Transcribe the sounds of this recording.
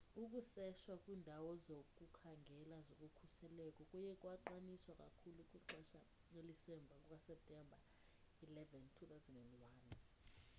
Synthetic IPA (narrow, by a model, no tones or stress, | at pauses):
uk̬ʼusɛʃwakʼwiːndʱawɔzok̬ʼukʰaŋɡʱɛlazokʼukʰusɛlɛkʼɔkʼujɛkʼwaǃwaniswakʼa̰kʰulukʼuǁɛʃa | elisɛmbʱak̬ʼukʼasɛp̚tʼɛmbʱa | ilɛvɛntʰuθawzɛndɛndwan